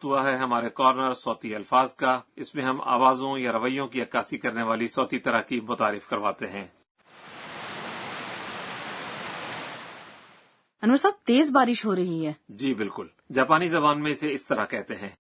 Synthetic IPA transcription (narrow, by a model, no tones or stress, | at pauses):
t̪uaɦɛɦɐmaːɾekɔːɾnəɾsɔːt̪iɐlfaːzkaɪsmẽɦɐma̰ːʋaːzõjaɾɐʋəijõkiɐkaːsikɐɾneʋaːlisɔːt̪it̪ɐɾakimʊt̪aːɾɪfkɐɾʋaːt̪eɦɛ̃ː | ʊnʋəsat̪eːzbaːɾɪʃɦoːɾɐɦiɦɛːd͡ʒiːbɪlkʊl | d͡ʒaːpaːnizɐbaːnmẽseɪst̪əɾakɛɦt̪eɦɛ̃ː